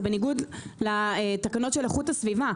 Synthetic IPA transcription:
beniɡud̪lat̪akano̞tʃeleχuthasviva

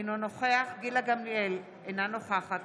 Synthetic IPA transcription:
nonoχeaχɡilaɡamliel | enanoχaχat

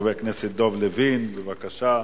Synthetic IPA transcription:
vekneset̪̚d̪ovlevinbevakaʃa

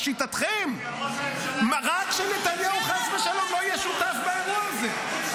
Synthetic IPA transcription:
ʃit̪at̪χem | mʁakʃenet̪anjauχat͡sbeʃalo̞mloajɛʃut̪afbeeʁuaze

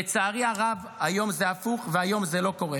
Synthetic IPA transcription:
et͡saːʁiaʁav | ajo̞mzeafuχveajo̞mze̞lo̞ko̞ʁe

